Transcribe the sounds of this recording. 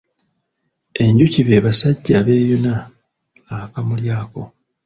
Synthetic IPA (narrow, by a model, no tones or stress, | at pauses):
e̞ɲɟuciβe̞ːβasaɟːaːβe̞ːjonaː | kamuljaːko̞